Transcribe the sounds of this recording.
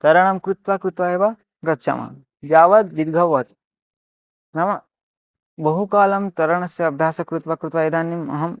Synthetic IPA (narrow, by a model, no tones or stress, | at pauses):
t̪ɐɾɐɳ̃ɐmkɾut̪ʋakɾut̪ʋaːjeʋɐ | ɡɐtːʃʰɐ̰mɐ̰ | d̪jaːʋɐd̪̚ʋid̪ɡʱɐʋːɐt̪ | nɐmɐ | bɐɦukaːlɐmt̪ɐɾɐɳɐsjɐːbʱjaːsɐkɾut̪ʋaːkɾut̪ʋaːid̪aːnjimɐ̰ɦɐm